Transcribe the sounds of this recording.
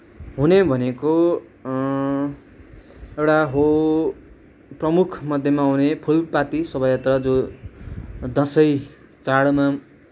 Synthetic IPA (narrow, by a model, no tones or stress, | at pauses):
ɦunebʱʌneko | ewʈaɦo | prʌmukʰmʌd̪ʱjemaɦunepʰulpat̪isʌbʌjat̪rʌd͡zõ | d̪ʌ̃sʌj | t͡saɽma